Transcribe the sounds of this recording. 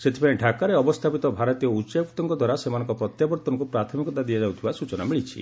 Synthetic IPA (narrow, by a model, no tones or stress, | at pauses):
set̪ʰipaɽẽɖʱakaɾeɔbɔst̪ʰapit̪ɔbʱaɾɔt̪ijɔut͡ʃaɔkt̪ɔŋkɔd̪ʱwaɾasemanɔ̃ŋkɔpɾɔt̪jabɔɾt̪ɔŋkupɾat̪ʰɔmikɔt̪ad̪iad͡ʒawt̪ʰibasut͡ʃɔnamiɭit͡ʃʰḭ